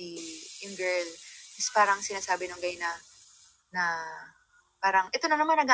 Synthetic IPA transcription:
ijɪŋɡɛɹlɐspaːɾɐŋsɪnaːsaːbɪnʊŋɡɐjnɐ | nɐ | paːɾɐŋʔɛt̪o̞nɐnɐmanːɐɡa

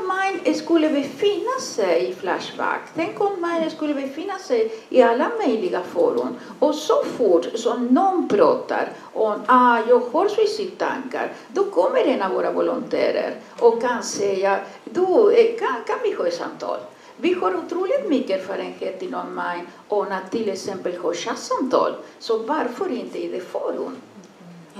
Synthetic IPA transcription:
majnskʉlːəbɛfɪnːasɛjifla̰ʂva̰kt̪ʰɛŋkɔmmajnəskʉlːəbɛfɪnːasɛjɪalːamœjlɪɡafo̰ɾṵn | ɔsɔfuʈːsɔmnɔnpɾɑ̰ːt̪a̰ɾ | ɔmajɑːɡhɑɾsisit̪ʰa̰ŋka̰ɾd̪ɔkʰɔmːəɾɛnavoːɾavɔlʊnt̪ʰæ̰ːɾə̰ɾ | ɔkːansɛja | d̪ukʰakʰanvihɔːsa̰mt̪ʰɑ̰ːl | vihøːɾʊt̪ɾuːlɪt̪mʏkːəføɾɛnɧɛt̪ːinɔmaj | ɔnat̪ʰːɪlɛksɛmpəlhɔːʂasamt̪ʰɑ̰ːlsɔvaɾfœɾɪnt̪əid̪ɛfoɾṵn

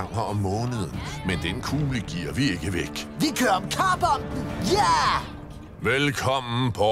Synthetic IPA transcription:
ŋ̰ɐɒ̽mːɔ̽ːnəð̞ˠənmend̥enkʰuːləɡ̥ḭːɐʋie̝ɡ̥əʋeɡ̥ʋikʰøːɐɒmkʰɑːb̥ɒnd̥n̩jæ | ʋelkʰɒ̽m̰n̩pʰɒ

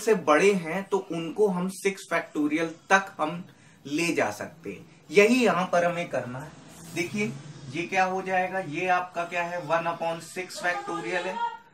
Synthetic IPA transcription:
sebɐɽeɦɛ̃t̪oʔʊnkoɦɐmsɪksfɛːk̚ʈoːɾijəlt̪ɐkhɐm | leːd͡ʒa̰ːsɐ̰k̚t̪ḛɦɛ̃ | jɐɦijɐɦãpɐɾɐmẽkɐɾnaɦɛd̪eːkʰiejekjaːɦod͡ʒaːeːɡajeaːp̚kakjaːɦɛʋɐnapɔːnsɪksfɛːk̚ʈoːɾijəlɦɛ̃ː

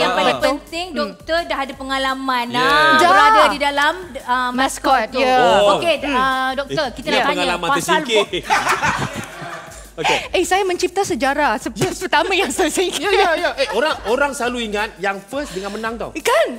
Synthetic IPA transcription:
jaŋpalatpnt̪ɪŋdɔk̚t̪ərdaɦadapəŋalamãnad͡ʒadadidalaməmmaskɔt̪̚jəokeədɔk̪̚ərkit̪akəaɲŋaalamãnpaəsailkt̪ | okeehsajamə̃ɲt͡ʃip̚t̪asəd͡ʒaɾasəaspərt̪amãjaŋsasiŋkaajaʔeoɾaŋoɾaŋsəlaluiŋat̪̚jaŋfəsdəŋãnmənãŋt̪a̰wkan

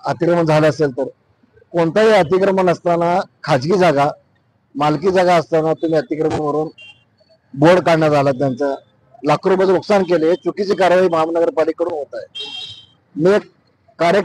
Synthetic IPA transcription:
ət̪ikɾəməɳd͡zʱaləəselt̪əɾ | koɳt̪aɦiət̪ikɾəmənəst̪anakʰad͡zɡiːd͡zaɡa | malkiːd͡zaɡaəst̪anat̪um̤iːət̪ikɾəməɳməɾuːn | boɽkaɽɳjad͡zʱalat̪̬jant͡sa | lakʰɾobəd͡zɾoksankelet͡sukit͡siːkaɾʋaɦiːbʱabnəɡəɾpaliːkəɽuːnɦot̪aj | mek | kːaɾe

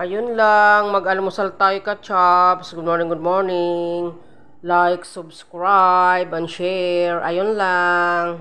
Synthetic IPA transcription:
ʔɐjonlaŋmɐɡɐlɪmʊsɐlt̪aːjokɐt͡ʃapsɡʊd̪̚mɔɹnɪ̃ŋɡʊd̪̚moɹnɪŋ | lajksʊbskɹajbɐnʃɛɹʔɐjonlaŋ

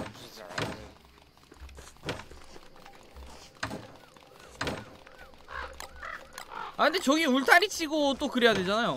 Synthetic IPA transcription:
akʰɯnd̪e̞t͡ɕʌɡiuɭtʰaɾit͡ɕʰiɡot͈okɯɾejadwe̞d͡ʑanajo

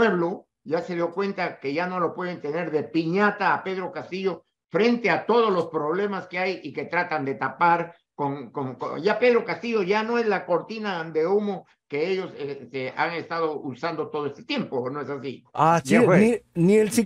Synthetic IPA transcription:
eβlo | ʝase̞ðjo̞kwe̞nt̪ake̞ʝano̞lo̞pwe̞ð̞ent̪e̞ne̞ɾðe̞piɲat̪aːpe̞ðɾo̞kast̪iʝo̞ | fɾe̞nt̪e̞at̪o̞ð̞o̞zlo̞spɾo̞β̞le̞maske̞ajike̞t̪ɾat̪and̪e̞t̪apaɾ | koŋkoŋko̰jape̞ð̞ɾo̞kast̪iʝo̞ʝano̞e̞zlako̞ɾt̪inand̪e̞umo | ke̞eʝo̞sest̪eaŋe̞st̪að̞o̞usand̪o̞t̪o̞ð̞oest̪e̥t̪je̞mponoesasiasennielsi

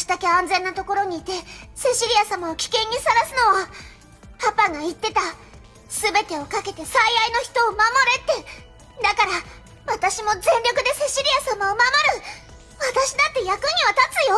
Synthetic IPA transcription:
ɕi̥t̪ake̞ãnd͡zẽ̞nːat̪o̞ko̞ɾo̞ɲ̟iːt̪e̞se̞ɕiɾʲijasamaokʲi̥kẽ̞ɲ̟ːisaɾasɨno̞βa | papaŋait̪ːe̞t̪a | sɨbe̞t̪e̞o̞kake̞t̪e̞saiainoçi̥t̪o̞ːmamo̞ɾe̞t̪ːe̞ | d̪akaɾa | βat̪aɕimo̞zẽ̞nɾʲo̞kɯ̟d̪e̞se̞ɕiɾʲijasamaomamo̞ɾɯ̟ | βat̪aɕid̪at̪ːe̞jakɯ̟ɲ̟iβat̪at͡sɨjo̞

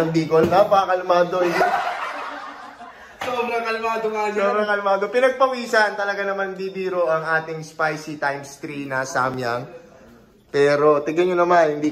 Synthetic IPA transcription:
ɐŋb̪iːkolnɐpɐɐkɐlɪmaːd̪oa | soːbɾɐŋkɐlʊmaːd̪oŋasoːbɾɐŋkɐlʊmaːd̪opɪnɐɡ̚pɐwiːsɐnt̪ɐlɐɡanɐmanb̪ibiːɾoʔɐŋʔaːt̪ɪŋspajsit̪ajmst̪ɾinɐsaːmjaŋ | pɛːɾo̞t̪ɪɡɐnɲonɐmanhɪnd̪iː

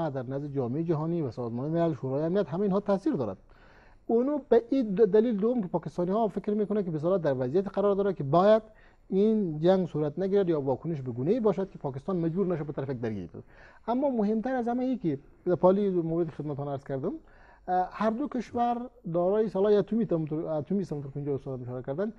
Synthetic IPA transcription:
ad̪aɾnazd̪ɪd͡ʒɔːmeid͡ʒaɦɔniʋasɔzmɔːnimɪlalʃuɾɑːjamnijat̪ɦamainɦɔt̪asiɾd̪ɔɾa̰d̪̚ | unubaʔid̪alild̪ʊwʊmkɪpɒːkɪst̪ɑnihɔfɪkɾmekʊnakɪbɪs̬ɔlat̪̚d̪aɾʋazijat̪i̥qaɾɔɾd̪ɔːɾakibɔjad̪ | ind͡ʒaŋɡsuɾat̪naɡiɾad̪jɔwɔkʊnɪʃ̬bɪɡuneibɔʃad̪̚kɪpʰɑkɪst̪ɑnmad͡ʒbuɾnaʃ̬abɪt̪aɾafak̚d̪aɾɡḭɾbṵd̪amːɔmʊhɪmt̪aɾazhamaiki | d̪apɑlimawɾɪd̪kxɪd̪mat̪ɔnaɾz̥kaɾd̪ɪm | haɾd̪ʊkɪʃwaɾd̪ɔɾɔjisɔlɑjat̪umit̪t̪ɾat̪umisamunt̪ʊɾkɪund͡ʒɔʊst̪ɔd̪amɪʃɔɾakaɾd̪and̪

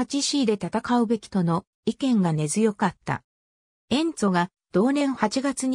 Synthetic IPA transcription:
at͡ɕiɕiːd̪e̞t̪at̪akaɯ̟be̞kʲi̥t̪o̞no̞ | ikẽ̞ŋɡane̞zɨjo̞kat̪ːa̰ | ẽ̞nt͡so̞ɡa | d̪̥o̞ːnẽ̞ɰ̃hat͡ɕiɡat͡sɨɲ̟

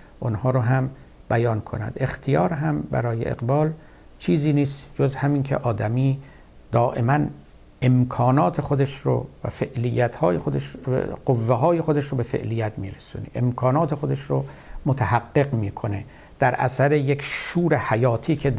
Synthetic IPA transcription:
ʔonhɒːɾoɦæm | b̥æjɒːnkʰo̰næ̰d̪e̞xt̪ʰijɒːɾɦæmbæ̰ɾɒːjḛʔḛqbɒːl | t͡ʃʰiːziːniːst̪d͡ʒozhæmiːnkʰḛʔɒːd̪æmiː | d̪̥ɒːʔe̞mæn | ʔe̞mkʰɒːnɒːt̪ʰe̞xod̪eʃɾo̰væfeʔlijːæt̪hɒːjexod̪eʃɢovːeɦɒːjexod̪eʃɾobe̞fe̞̰ʔlijːæt̪ʰmiːɾesṵːnḛʔemkʰɒːnɒːt̪ʰexod̪eʃromot̪ʰæhæɡːe̞ɣmiːkʰo̞ne̞̰ | d̪̥æɾʔæ̰sæɾejekʃuːɾehæjɒːt̪ʰiːkʰe

